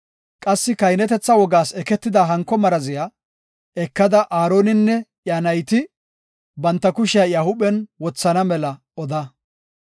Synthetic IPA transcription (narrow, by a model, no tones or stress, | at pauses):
kʼɐsːɪkɐjnɛt̪ɛt͡sːɐwɔɡaːsɛkɛt̪ːɪd̪ɐɦɐŋkːɔmɐɾɐzɪja | ɛkːɐd̪ɐʔaːɾo̞ːnɪnːɛ | janɐjt̪ɪ | bɐnt̪ːɐkʊʃɪjɐjaːhʊɓɛnwɔt͡sːɐnɐmɛlɐ | ɔd̪ɐ